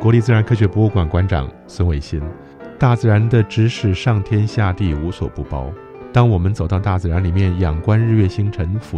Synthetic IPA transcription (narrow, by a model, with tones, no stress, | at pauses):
kwɔ˧˥li˥˩t͡sɹ̩˥˩ɻa˧˥nkʰɤ˥˧ɕ̬ɥɛ˧˥pu˧˥u˥˩kwa˨˩nkwa˧˥nʈ͡ʂɑ̰˨˩˦ŋ | swə˧˥nwe˧˥ɪɕi˥n | t̪a˥˩t͡sɹ̩˥˩ɻa˧˥nd̪ə˧ʈ͡ʂɻ̩˥ʂɻ̩˨˧˩ʂɑ˥˩ŋt̪ʰjɛ˥nɕja˥˧t̪i˥˩u˧˥swɔ̰˨˩pu˥˩pɑ˥ʊ | t̪ɑ˥ŋwɔ˨˩mə˦nt͡so˨˩ʊt̪ɑ˥˧ʊt̪a˥˩t͡sɹ̩˥˩ɻa˧˥nli˨˩mjɛ˥˩njɑ˨˩ŋkwa˥nɻɻ̩˥˧ɥɛ˥˩ɕi˥ŋʈ͡ʂʰə˧˥ŋfu˧